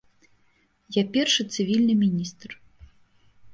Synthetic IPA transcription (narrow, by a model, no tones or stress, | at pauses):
japʲɛrʂɨt̪sɨvʲilʲnɨmʲinʲist̪r